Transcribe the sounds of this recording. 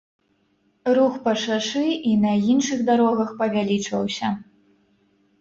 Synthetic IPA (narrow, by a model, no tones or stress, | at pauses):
ɾuxpɐʂaʂɨʔinɐinʂɨɣd̪aɾɔɣɐxpɐvʲalʲit͡ʂvɐ̰wsʲɐ